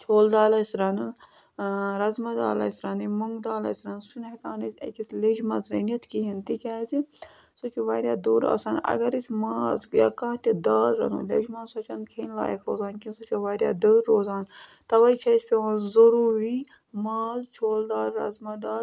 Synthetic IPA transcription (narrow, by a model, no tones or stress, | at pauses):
t͡ʃʰoːld̪aːlɐsɾɐnɨn | ɾɐzmɐd̪a̰ːlɐ̰sʲɾɐnimuŋɡd̪aːlɐ̰sɾɐnsunekaːnɐsɐ̰kisled͡ʒmɐzɾɐnɐt̪ʰkiɦint̪ikʲaːzi | sut͡ʃuʋaːɾjaːd̪uːɾa̰ːsaːnɐ̰ɡɐɾisʲmaːzja̰ːkãːt̪id̪aːlɾɐ̰nṵlḛd͡ʒmɐzsɐt͡ʃɐnkʰeːnla̰ːjḛkʰɾoːzaːnkinsut͡ʃuʋaːɾʲja̰ːd̪əːɾːoːzaːn | t̪ɐʋɐjt͡ʃʰɐisʲpʲeʋɐnzɐɾuːɾiː | maːzt͡ʃʰoːld̪aːlɾɐ̰zmɐd̪aːl